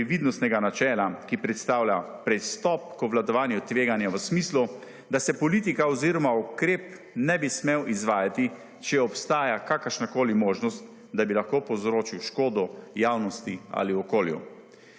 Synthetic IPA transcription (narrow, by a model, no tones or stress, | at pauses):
ʋid̪nɔst̪nɛɡanat͡ʃɛːlakipɾɛt̪st̪aːwla | pɾɛst̪ɔp̚kɔʋlad̪ɔʋaːnjut̪ʋeːɡanjɛʋəsmiːslu | d̪asɛpɔliːt̪ikaɔziɾɔmaukɾeːp | nɛbismewizʋaːjat̪i | t͡ʃɛɛɔpst̪aːjakakəɾʃnakoːlimoːʒnɔst̪ | d̪abilaxkoːpɔwzɾoːt͡ʃiwʃkoːd̪ɔjaːwnɔst̪ia̰liɔkoːljṵ